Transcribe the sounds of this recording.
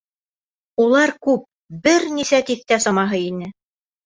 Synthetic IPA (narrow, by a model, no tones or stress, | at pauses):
ulˠɑɾkʉp̚ | bɘɾnisæt̪iθt̪æsɑmɑɦɤinɘ